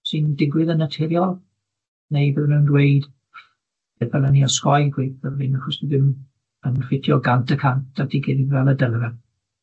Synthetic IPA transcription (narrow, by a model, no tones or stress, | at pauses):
sɨndɪɡwɪðənətʰɛɾjɔlˠ | nejbəðmɛwndwejd̥ | ɛdvɛlaniɔskɔjɡwejpðəðvɪnaχɔsiðɪn | ənfɪtʰjɔɡantʰəkʰantdadiɡɛdivɛlˠədəlˠəvɛ